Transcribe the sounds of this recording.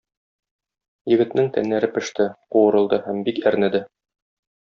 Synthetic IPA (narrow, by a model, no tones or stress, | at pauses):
jɘ̆ɡɘ̆t̪nɘŋt̪æ̰nlːæɾɘpɘ̆ʃt̪ɘquwɤ̆ɾɤ̆lˠd̪ɤhæmbikæɾnɘ̆d̪ɘ